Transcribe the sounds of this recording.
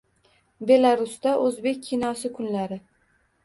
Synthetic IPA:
be̞laɾʊst̪aʔɵzbe̞kʲʰːinɒsɪkʰʊnlaɾɪ

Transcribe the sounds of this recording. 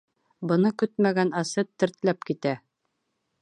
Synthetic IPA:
bɤ̆nɤkɵt̪mæɡænɑsɤt̪ːɘ̆ɾt̪læpkit̪æ

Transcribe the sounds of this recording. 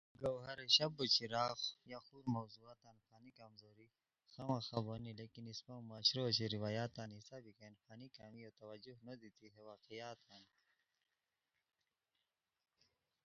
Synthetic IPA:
ɡawɦɐɾeɕɐbut͡ʃiɾaːxjaxuːɾmɐwzuaːt̪aːnfaːnikamzoːɾi | xamaxabonileːkinispamaːɕɾot͡ɕiɾiwaːjaːt̪aːnisaːbikanfaːnikaːmiot̪ɐwɐd͡ʒuɦnɐd̪it̪ʰiɦewaːqijaːt̪ʰaːn

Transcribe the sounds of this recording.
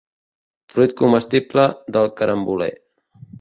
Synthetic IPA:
fɾujt̪̚kuməst̪ipləd̪əlˠkəɾʔəmbulḛ

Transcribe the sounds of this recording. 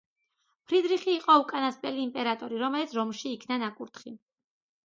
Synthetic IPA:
pʰɾid̪ɾiχiːqʼɔukʼanaspʼɛliːmpʼɛɾat̪ʼɔɾiɾɔmɛlit̪sʰɾɔmʃiːkʰnanakʼuɾt̪ʰχi

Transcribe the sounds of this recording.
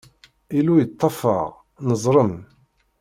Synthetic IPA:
ilujət̪ˤːɑfɑ̰ʁ | nəzˤɾˤəm

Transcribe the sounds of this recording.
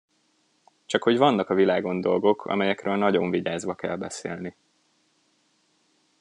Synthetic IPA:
t͡ʃɒkho̞ɟvɒnːɒkɒvilaːɡo̞nd̪o̞lɡo̞kʰɒ̰mɛjɛkrøːlnɒɟo̞ɱviɟaːzʋɒkɛ̰lbɛsḛːlni

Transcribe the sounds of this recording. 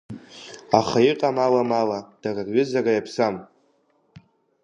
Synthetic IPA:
aχaiqʼamalamalad̥ararɥʏzarajapʰsam

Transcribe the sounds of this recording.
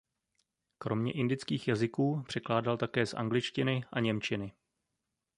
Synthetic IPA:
kɾo̞mɲɛ̰ʔɪndɪt͡skiːxjazɪkuːpr̝̥ɛklaːdalt̪akɛːsʔa̰ŋɡlɪt͡ʃcɪnɪʔaɲɛmt͡ʃɪnɪ

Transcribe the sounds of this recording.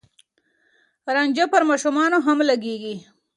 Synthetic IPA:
ɾɑɲʲd͡ʒapəɾmɑʃumɑnoɦamlaɡeɡi

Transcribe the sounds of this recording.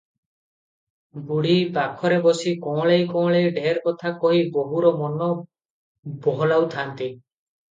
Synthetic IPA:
ɡuɽibakʰɔɾebɔsikɔ̃ɭejkɔ̃ːɭejɖʱeɾkɔt̪ʰakɔɦiboɦuɾɔmɔnɔ | bɔɦɔlawt̪ʰant̪i

